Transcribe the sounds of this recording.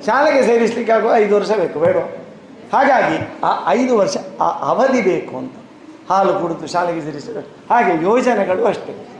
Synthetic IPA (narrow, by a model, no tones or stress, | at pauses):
ʃaːleɡese̞ːɾislikːaːɡoːɐjd̪uʋɐɾʃɐbe̞ːkubeːɽo | haːɡaːɡiaɐjd̪uʋɐɾʂɐʔɐʋɐd̪ibeːkuɐnt̪u̥ | haːlukuɽut̪uʃaːlɛɡeseːɾisɐbeːkuhaːɡejoːd͡ʒɐnɛɡɐɭuɐʂʈe